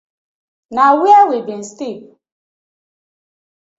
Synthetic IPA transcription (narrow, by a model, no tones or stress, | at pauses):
nawiawibin̩stip̚